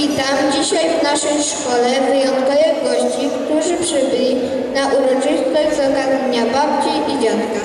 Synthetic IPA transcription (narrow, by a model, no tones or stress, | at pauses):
it̪amd͡ʑiɕajvnaʂɛjʂkɔlɛvɘjɔnt̪kɔjaɡɔɕt͡ɕikt̪uʐɘpʂɘbɘlʲi | naʔuɾɔt͡ʂɘst̪ɔʑzaɡad̪ɲeɲabapt͡ɕeʔid͡ʑat̪ka